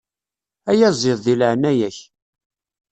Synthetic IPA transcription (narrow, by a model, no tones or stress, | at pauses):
æjæzˤeðˤðilʕnːæjæç